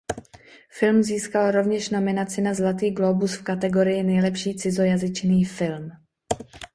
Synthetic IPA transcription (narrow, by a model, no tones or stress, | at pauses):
fɪlmziːskalɾo̞vɲɛʃno̞mɪnat͡sɪnazlat̪iːɡlobusfkat̪ɛɡo̞ɾɪjɪnɛjlɛpʃiːt͡sɪzo̞jazɪt͡ʃniːfɪlm